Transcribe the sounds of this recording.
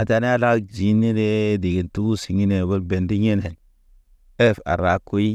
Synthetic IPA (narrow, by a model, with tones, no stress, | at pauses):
a˨ta˨ne˦a˦da˦d͡ʒi˨˦nːi˦de˦di˨ɡi˨ntu˦si˨ŋi˦ne˨bo˦lbe˨ndi˦ɲe˦ne˨l | e˦˨fa̰˨ɾa˨kːu˦ji˦